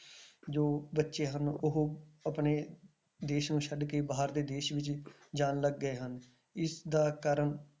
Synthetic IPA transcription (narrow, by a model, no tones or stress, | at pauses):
d͡ʒoːbətːʃeːɦənʊɦəpneː | d̪eːʃnũːʃʰəɖkeːbaːəɾd̪eːd̪eːʃʋɪt͡ʃ | d͡ʒaːnləɡːəeːɦən | ɪsd̪aːkaːɾəɳ